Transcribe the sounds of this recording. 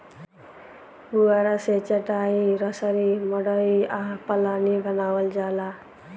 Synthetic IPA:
buaɾaset͡ʃaʈaɦiɾʌsaɾimɔɽəɾiapəlanibʱənawəld͡ʑala

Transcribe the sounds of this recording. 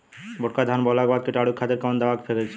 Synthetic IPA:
boʈ̚kad̪ʱanbɔlaɡobad̪̚keʈaɽukʰːad̪eɾkawnd̪awakefʰeɾet͡ɕʰe

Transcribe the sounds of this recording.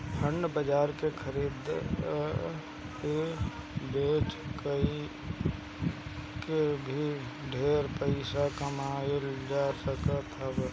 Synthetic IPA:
pʰəɳɖbəd͡ʒaːɾkekʰəɾiːd̪ | e | beːt͡ʃkəi | kebʱiɖʱeːɾpəɪsakəmaːjold͡ʒasəkət̪ʰəb

